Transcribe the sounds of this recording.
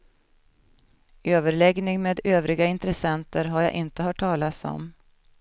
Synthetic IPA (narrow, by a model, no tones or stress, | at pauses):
øːvəɾɭɛɡnɪŋmeːd̪øːvɾɪɡaɪnt̪ɾɛsɛnt̪əɾɦaɾja̰ʔɪnt̪əɦɑːʈʰːɑːlat̪sɔ̰m